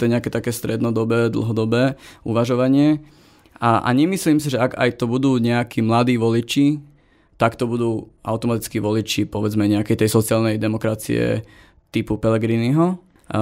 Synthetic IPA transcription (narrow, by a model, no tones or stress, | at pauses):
ɛɲɛakɛːt̪akɛːst̪ɾɛd̪nɔd̪ɔbɛːd̪l̩ɦɔd̪ɔbɛːʔuʋaʒɔʋaɲɪɛ | aʔa̰ɲɛmisliːmsiʒɛaɡa̰jt̪ɔbud̪uːɲɛakiːmlad̪iːʋɔlit͡ʃi | t̪akt̪ɔbud̪uːʔa̰ʊt̪ɔmat̪it͡skiːʋɔlit͡ʃipɔʋɛd͡zmɛɲɛakɛjt̪ɛjsɔt͡sɪaːlnɛjd̪ɛmɔkɾat͡sḭɛ̰ | t̪ipupɛlɛɡɾiniɦɔ